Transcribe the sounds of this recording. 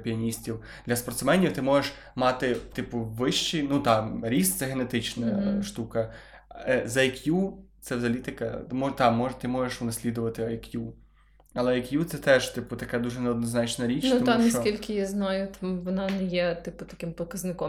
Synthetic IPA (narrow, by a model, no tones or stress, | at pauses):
pʲiɐnʲisʲtʲiw | d̪̥lʲɐspɔrt̪smɛnʲiwt̪ɪmɔʒeʃ | mɑt̪ɪt̪ɪpʊʋɪʃt͡ʃinut̪ɑɾʲist̪sɛɦenet̪ɪt͡ʃnɐʃt̪ukɐ | zɐjkjut̪sɛwzɐlʲit̪ɪkɐ̰mɔt̪ɑmɔʒt̪ɪmɔʒeʃʊnɐsʲlʲid̪ʊʋɐt̪ɪɐjkju | ɐlˠɛɐjkjut̪sɛt̪ɛʒt̪ɪpʊt̪ɐkɛd̪uʒɛneɔd̪nɔznɑt͡ʃnɐɾʲit͡ʃnuɐanɐsɔkʲilʲkɪjaznɑjʊt̪amʋɔnɑnɛjɛt̪ɪpʊt̪ɐkɪmpɔkɐznɪkɔ